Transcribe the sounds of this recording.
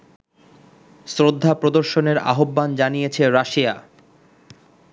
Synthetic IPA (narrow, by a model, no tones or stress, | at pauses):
sɾod̪ʱːapɾod̪oɾʃoneɾa̰ɦobːand͡ʑanijet͡ɕʰeɾaʃia